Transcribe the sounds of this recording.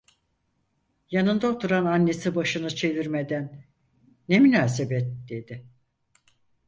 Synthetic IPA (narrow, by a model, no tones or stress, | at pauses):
janɯnd̪aot̪ʰuɾananːe̞sibaʃɯnɯt͡ʃʰe̞viɾme̞d̪ænː | emynaːsebɛt̪̚d̪e̞d̪ɪ